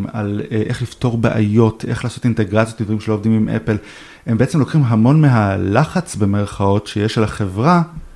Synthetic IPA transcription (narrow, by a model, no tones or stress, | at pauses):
ma̰leʔe̞χlifto̞ʁbeʔa̰jo̞tʰe̞̰χlaːso̞tinte̞ɡʁat͡sjot̪ld̪vaʁimʃelovdimimʔḛpel | e̞mbeet͡semlo̞kχimɦamo̞nmeɦalaχat͡sbe̞me̞ʁ̞χao̞tʃejeʃalaχevʁa